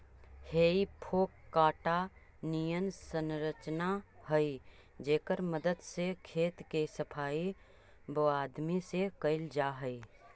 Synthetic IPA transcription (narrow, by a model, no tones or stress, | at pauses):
heːipʰoːkːaːʈa | nijənsənɾət͡ʃnahəi | d͡ʒeːkəɾməd̪əd̪sekʰeːt̪kesəpʰaːi | boːaːd̪misekəɪld͡ʒaɦəi